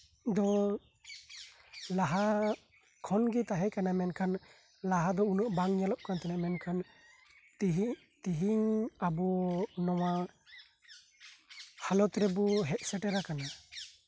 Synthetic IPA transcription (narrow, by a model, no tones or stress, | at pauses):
d̪ɔ | laɦa | kʰɔnɡit̪aɦɛkanamɛnkʰan | laɦad̪ɔunuʔbaŋɲalɔʔ̚kant̪ɛnamɛnkʰan | t̪iɦiŋabɔnɔwa | halɔt̪ɾɛbɔɦɛʔ̚sɛʈɛɾakana